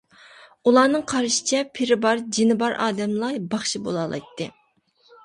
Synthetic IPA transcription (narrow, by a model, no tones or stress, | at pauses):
ulˠɑːnɨŋqʰɑɾʃɪ̥t͡ʃʰɛpʰɪɾɪbɑɾd͡ʒinɪbɑɾʔɑ̰ːd̪ɛmlˠɑjbɑχʃibo̰lˠɑːlˠɑ̰jt̪ʰːɨ